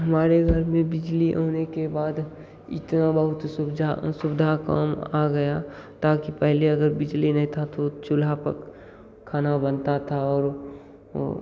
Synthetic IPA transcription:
ɦəmaːɾeɡʱəɾmẽbɪd͡ʒliɦoːnekebaːd̪ | ɪ̰t̪nabəɦʊt̪sʊbd͡ʒ̪ʱasʊbd̪ʱaka̰ːmaɡəjat̪aːkipɛɦleəɡəɾbɪd͡ʒlinəɦĩt̪ʰat̪ot͡ʃʊlapə̰k | kʰːaːnabənt̪at̪ʰaɔːɾ

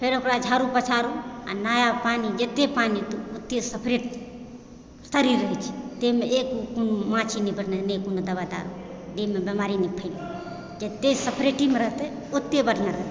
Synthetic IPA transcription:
pʰeɾəkɾad͡ʒʱaɾupət͡ʃʰaɾua̰najapanid͡ʒet̪ːepanit̪oot̪ːesəpʰɾeʈ | səɾiɾəɦɛt͡ʃʰi̥t̪emeekukonomãt͡ʃʰinibəɽnenejkonod̪əbad̪a̰ɾud̪emebemaɾinipʰəjni | d͡ʒet̪ːesəpʰɾeʈimeɾəɦt̪ɛ | ot̪ːebəʈnaɾəɦt̪

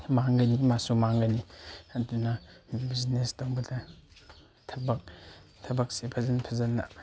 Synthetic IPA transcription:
maŋɡɐnimasumaŋɡɐniɐdunɐbiznestowbɐdɐ | tʰɐbɐk̚tʰɐbɐk̚sepʰɐzɐnpʰɐzɐnːɐ̰

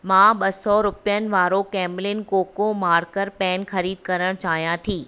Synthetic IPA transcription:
mãːɓɐsɔɾʊpijənɪ̆ʋaːɾokɛːmlɪnkoːkomaːɾkəɾpɛːnxɐɾiːd̪̚kɐɾəɽ̃t͡ɕaːɦijãt̪ʰiː

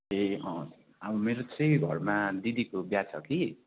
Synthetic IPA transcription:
eʌ̃ | abʌmeɾot͡sʌ̃jɡʱʌ̰rmad̪id̪ikobjat͡sʰʌki

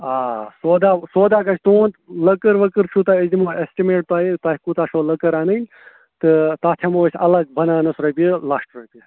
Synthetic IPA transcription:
aːsoːd̪aːsoːd̪aːkɐt͡ʃʰt̪oːnt̪ləkəɾʋəkɨɾt͡ʃʰut̪aizimoːesʈimeːʈ̚t̪aːjit̪aːikut̪aːʃoːlɐkɐɾaːnɨnʲ | t̪ɨt̪aːt̪ʰemoːsʲɐ̰lɐɡ̚bɐnaːnɐsɾɐpʲiilaːʂʈɾojpʲi

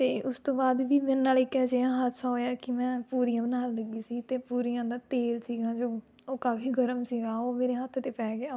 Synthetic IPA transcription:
t̪eːʔʊst̪õːbaːd̪ʋiːmennaːliːkɛːd͡ʒeːãːɦət̪ʰsãːɦoːjaːkɪmɛ̃ːpuːɾijãːbənaːlləɡiːsiːt̪eːpuːɾijãːd̪aːt̪eːlsiːɡãːd͡ʒoː | oːkaːfiːɡəɾəmsiːɡãːoːmeːɾeːɦət̪ʰt̪eːpɛːɡɪaː

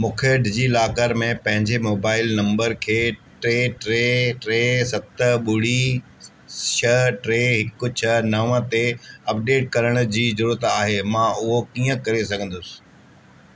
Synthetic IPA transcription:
mʊkʰeːɖd͡ʑiːlaːkəɾmẽpɐ̃ɦɪ̃ɲd͡ʑemoːbaːɪlnɐ̃mbəɾkʰeːʈɾeːʈɾeːʈɾeːsɐt̪ə̆ɓʊɽ̤i | ʃəʈɾeːɦɪkːʊt͡ɕʰnɐʋə̃t̪eɐp̚ɖeːʈ̚kɐɾəɽ̃ʊ̆d͡ʑiːzɐɾuːɾət̪aːɦemãːʔʊɦokiːə̃kɐɾesɐɡʱə̃nd̪ʊsɪ̥

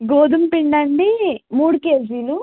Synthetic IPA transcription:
ɡoːd̪umpiɳɖɐɳɖimuːɽukeːd͡ʒiːlu

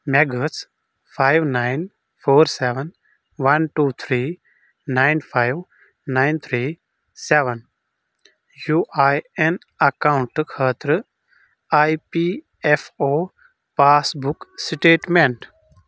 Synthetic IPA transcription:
meɡəs | pʰajʋnaɪn | pʰoːɾseʋən | ʋɐnʈuːt̪ʰɾiː | naɪnpʰaɪʋ | naɪnt̪ʰɾiː | seʋən | juːʔajen | ɐkãʊ̃ɳʈkʰəːt̪ɾɨ | ajpi | efoː | paːsbuksʈeːʈmẽɳʈ

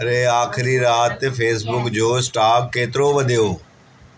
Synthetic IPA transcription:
ɐɾeaːxɪɾiɾaːt̪feːsbʊkd͡ʑoːɪsʈaːbkeːt̪ɪɾoʋɐd̪ʱijoː

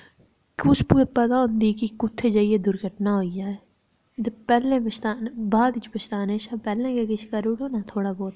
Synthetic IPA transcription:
kʊspupəd̪aːʊ̃nd̪iːkikʊt̪ʰːeːd͡ʒaːieːd̪ʊɾɡʱəʈnaːɦoːid͡ʒaːɛ | d̪epɛːlẽːbəst̪aːnbaːd̪ɪt͡ʃbəst̪aːneːʃaːpɛːlẽːkekɪt͡ʃʰkəɾuʈoːnaːt̪ʰoːɽaːbɔːt̪ː

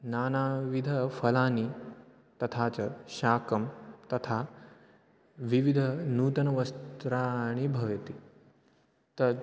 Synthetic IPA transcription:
naːnaːʋid̪ʱɐfɐlaːni | t̪ɐt̪ʰaːt͡sɐɕaːkɐmt̪ɐt̪ʰa | ʋiʋid̪ʱɐnuːt̪ɐnɐʋɐst̪ɾaɽ̃ibʱɐʋjɐt̪i | t̪ɐɾ

